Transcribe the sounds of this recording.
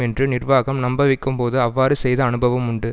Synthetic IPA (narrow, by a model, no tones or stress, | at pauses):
ɛndrɯnɪrʋaːɣɐmnɐmbɐʋɪkːɯmpoːðɯɐʋːaːɾɯsɛjðɐːnɯbɐʋɐmʊɳɖɯ